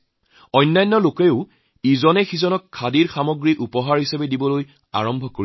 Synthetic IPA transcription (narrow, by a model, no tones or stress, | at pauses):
ɔjnːajnːɔlokeʊ | izɔnɛxizɔnɔkʰːadiɹxamɔɡɹiʔupɔɦaɹhisabɛdibɔloj | a̰ɹɔmbʱɔkoi